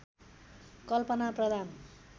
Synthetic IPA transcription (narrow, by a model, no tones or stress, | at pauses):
kʌlpʌnaprʌd̪ʱan